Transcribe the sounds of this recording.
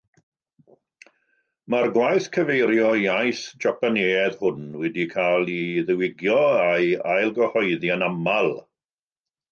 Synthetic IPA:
marɡwajθkʰəvejɾjɔajθd͡ʒapaneːɛðhʊnwɛdikʰalˠiðəwɪɡjɔajajlˠɡəhɔɨðjanamalˠ

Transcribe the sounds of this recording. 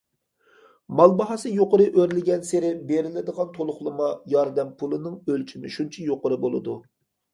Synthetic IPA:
mɑlˠbɑɦɑsɨjoqʊɾɨʔøɾlɪɡʲɛnseɾɪbeɾɪlɪd̪əʁɑnt̪ʰolˠʊχlˠɨmɑjɑɾd̪ɛmpʰulˠɨnɨŋølt͡ʃʰimɪ̰ʃunt͡ʃʰɛjoqʊɾɨbolˠɨ̰d̪u

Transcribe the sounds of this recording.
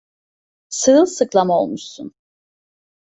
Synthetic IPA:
sɯɯlˠsɯklˠamaolˠmuʃsun

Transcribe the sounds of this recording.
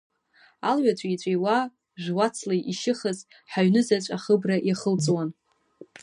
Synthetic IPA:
alɥat͡ɕʷʼit͡ɕʷʼejwa | ʒʷᶣwat͡sʰlajʔiʃɪχəz | ħaɥnɨzat͡ɕʷʼaχəbraʔjaχəlt͡sʼwan

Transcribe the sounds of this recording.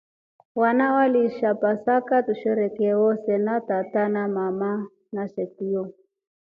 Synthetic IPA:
wanawaliʃapasakat̪uʃɛɾɛkɛwɔsɛnat̪at̪anamama | naʃɛtiɔ

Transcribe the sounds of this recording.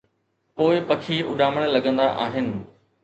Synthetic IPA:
poːɪpɐkʰiʊ̰ɗaːməɽ̃lɐɡə̃nd̪aʔa̰ːɦɪnɪ̆

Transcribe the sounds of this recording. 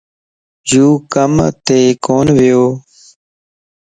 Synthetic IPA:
d͡ʒuːkəmt̪eːkoːnʋɪjoː

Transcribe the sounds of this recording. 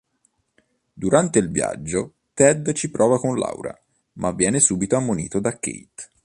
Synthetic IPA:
d̪uɾant̪eilvja̰d͡ʒːo | t̪ɛd̪t͡ʃipɾʔɔːvakonla̰wɾa̰ | mʔavːjɛːnesuːbit̪oamːonḭːt̪od̪akːḛjt̪

